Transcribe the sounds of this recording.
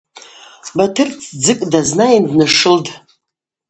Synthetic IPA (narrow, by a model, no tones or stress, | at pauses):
batʰɨrt͡sʰd͡zɨkʼdaznaindnɨʂɨld